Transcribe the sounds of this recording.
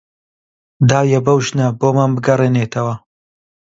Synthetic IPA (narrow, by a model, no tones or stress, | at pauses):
d̪aːjɐbɐwʒnɐboːmaːnbɨɡɐreːneːt̪ʰɐwɐ